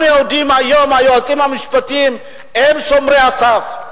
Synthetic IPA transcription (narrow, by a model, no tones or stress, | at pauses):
mawd̪imajomajoat̪ʼimamisi̥pat̪im | emisomɾeasaf